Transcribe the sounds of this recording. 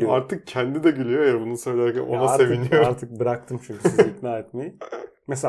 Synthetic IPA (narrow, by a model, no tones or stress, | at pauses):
iaɾt̪ʰɯk̚cʰɛnd̪id̪ɛɟylʲyjoejabunusø̞jlʲeæɾcæ̰no̞̰naase̞vinijoɾɾt̪ʰɯk̚bɯɾak̚t̪ʰɯmt͡ʃʰyɲcʰysizit̪naːɛt̪̚meji | mese